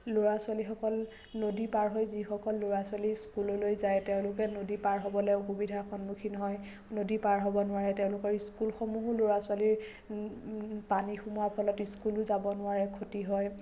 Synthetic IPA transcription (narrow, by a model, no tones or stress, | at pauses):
loɹaswalixɔkɔl | nodipaɹɦɔjzixɔkɔlːoɹaswaliskulɔlojzajtɛʊ̃lʊkɛnodipaɹɦɔbɔlɛoxubidʱaxɔnmukʰinɔɦɔj | nodipaɹɦɔbɔnʊwaɹɛtɛʊ̃lʊkɔɹiskulxɔmuɦʊloɹasʊwaliɹ | panixumuapʰɔlɔtiskulʊzabɔnʊwaɹɛkʰotiɦɔj